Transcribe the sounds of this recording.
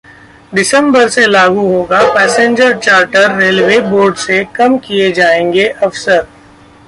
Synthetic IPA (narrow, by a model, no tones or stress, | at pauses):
ɖɪsə̃mbəɾselaːɡuɦoːɡapɛːsẽɲd͡ʒəɾt͡ʃaːɾʈəɾːeːlʋeːboːɾɖsekɐmkijed͡ʒaːẽːŋɡeʔɐfsəɾ